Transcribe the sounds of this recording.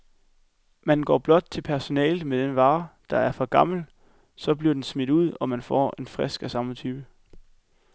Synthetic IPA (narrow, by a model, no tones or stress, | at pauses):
mænɡ̥ɒ̰ːb̥lɒ̽d̥̚t͡sʰe̝lpʰæɐso̝nɛ̰ːl̩ˠmed̥enʋɑ̈ːd̥ɑ̈æɐfɒ̽ɡ̥ɑ̈ml̩ | sɒ̽b̥liɐd̥ensmid̥uð̞̰ˠɒ̽mænfɒ̰ːe̝nfʁɛsɡ̥æsɑ̈mət͡sʰyːb̥ə